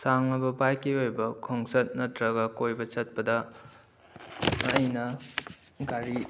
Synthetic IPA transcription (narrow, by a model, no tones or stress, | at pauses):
saŋɐbɐpajkiojbɐkʰoŋsɐt̚nɐtɾɐɡɐkojbɐt͡ʃɐt̚pɐdɐ | jnɐ | ɡaɾi